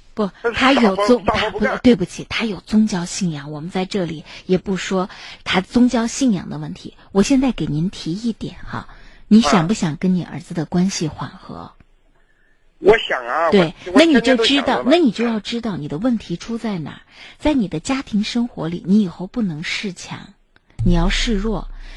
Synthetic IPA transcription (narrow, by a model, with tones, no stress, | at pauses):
pɔ˥˩t̪ʰa˥jo˨˩ʊt͡sʊ˥ŋt̪ʰa˥˧˩t̪we˥˩ɪbu˨˩t͡ɕʰi˨˩t̪ʰa˥jo˨˩ʊt͡sʊ˥ŋt͡ɕjɑ˥ʊɕi˥˩njɑ˨˩˦ŋwɔ˨˩mə˧˦nt͡sa˥˧ɪʈ͡ʂɤ˥˩li˨˩˦jɛ˨˩pu˥˩ʂwɔ˥t̪ʰa˥t͡sʊ˥ŋt͡ɕjɑ˥ʊɕi˥˩njɑ̰˨˩ŋd̪ə˦wə˥˩nt̪ʰḭ˧˥wɔ˨˩ɕjɛ˥˧nt͡sa˥˩ɪke˨˩ɪni˧˥nt̪ʰi˧˥i˥˩t̪jɛ̰˨˩˦nxɐ̰˧ni˧˥ɕjɑ˨˩ŋpu˥˩ɕjɑ˨˩ŋkə˥nni˨˩ʔə̰˞˧˥d͡zɹ̩˧d̪ə˨˩kwa˥nɕi˨xwa̰˨˩nxɤ̰˧˥ | wɔ˧jɑ˨˩ŋt̪we˥˧˩ɪa˥˩ni˨˩t͡ɕjo˥˧ʊʈ͡ʂɻ̩˥t̪ɑ˥˩ʊna˥˩ni˨˩t͡ɕjo˥˧ʊjɑ˥˩ʊʈ͡ʂɻ̩˥t̪ɑ˥˩ʊni˨˩d̪ə˦wə˥˩nt̪ʰi˧˥ʈ͡ʂʰu˥t͡sa˥˩ɪna̰˨˩˦t͡sa˥˩ɪni˨˩d̪ə˦t͡ɕja˥t̪ʰi˧˥ŋʂɤ˥ŋxwɔ̰˧˥lḭ˨˩ni˧˥i˨˩xo˥˧ʊpu˥˩nɤ˧˥ŋʂɻ̩˥˩t͡ɕʰjɑ̰˧˥˦ŋ | ni˨˩jɑ˥˧ʊʂɻ̩˥˧ɻwɔ˥˩